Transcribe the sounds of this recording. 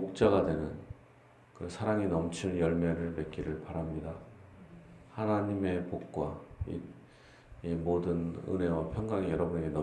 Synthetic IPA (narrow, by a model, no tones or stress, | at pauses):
ok̚t͡ɕ͈aɡadwe̞nɯn | kɯsʰaɾaŋinʌmt͡ɕʰiɭjʌɭmeɾɯɭme̞k͈iɾɯɭpaɾamɲida | hanaɲime̞pok̚k͈waḭ | imodɯnɯ̰nɦe̞wapʰjʌŋɡaŋijʌɾʌbune̞ɡenʌ